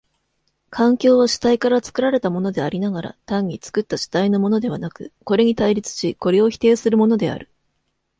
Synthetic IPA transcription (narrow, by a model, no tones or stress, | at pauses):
kʰãŋkʲo̞ːβ̞aɕi̥t̪aikaɾat͡sɨ̥kɯ̟ɾaɾe̞t̪amo̞no̞d̪e̞aɾʲinaɡaɾa̰t̪ãɲ̟ːit͡sɨ̥kɯ̟t̪ːaɕi̥t̪aino̞mo̞no̞d̪e̞β̞anakɯ̟ko̞ɾe̞ɲ̟it̪aiɾʲit͡sɨ̥ɕiko̞ɾeo̞çi̥t̪e̞ːsɨɾɯ̟mo̞no̞d̪e̞a̰ɾɯ̟